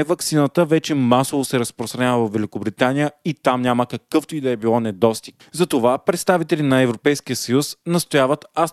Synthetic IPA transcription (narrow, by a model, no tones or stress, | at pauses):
ɛvɐksinət̪əvɛt͡ʃɛmasovosɛɾəspɾost̪ɾɐnʲavəvɐfːɛlʲikobɾit̪anijəit̪amnʲaməkɐkɤft̪oid̪ɛɛbilˠɔnɛd̪ɔst̪ik | zɐt̪ovapɾɛt̪st̪avit̪ɛlinɐɛvɾopɛjskiəsɐjusnɐst̪ojavət̪a